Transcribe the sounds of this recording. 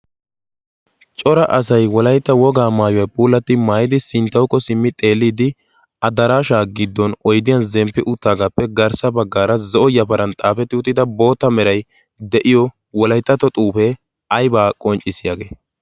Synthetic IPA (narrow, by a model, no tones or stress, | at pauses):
t͡ʃʼɔɾɐʔɐsɐjwɔlɐjt̪ːɐwɔɡaːmaːjʊjɐpʼuːlːɐt̪ːɪmaːjɪd̪ɪsɪnt̪ːɐwkːɔsɪmːɪt̪ʼeːlːiːd̪ɪ | ɐd̪ɐɾaːʃaːɡɪd̪ːɔnɔjd̪ɪjɐnzɛmpːɪʔʊt̪ːaːɡapːɛɡɐɾsɐbɐɡːaːɾɐzɔʔɔjɐpɐɾʔɐnt̪ʼaːfɛt̪ːɪʊt̪ːɪd̪ɐbo̞ːt̪ːɐmɛɾɐj | d̪ɛʔɪjɔ | wɔlɐjt̪ːɐt̪ɔt̪ʼuːpɛ | ɐjbaːkʼɔnt͡ʃʼɪsɪjaːɡeː